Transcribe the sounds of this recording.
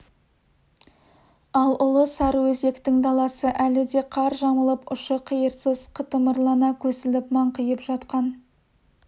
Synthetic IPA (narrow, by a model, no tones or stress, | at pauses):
ɑlˠʊlˠəsɑɾwɵze̞kt̪ɪŋd̪ɑlˠɑsəʔælɪd̪e̞qʰɑɾʒɑməlˠəpʊʃəqʰijəɾsəzqʰət̪əməɾlˠɑnɑkʲʰɵzɪlɪp̚mɑɴqəjəpʒ̥ɑt̪qɑn